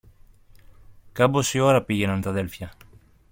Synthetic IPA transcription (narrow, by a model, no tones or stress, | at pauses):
kabosioɾɐpiʝenɐnt̪ɐðelfjɐ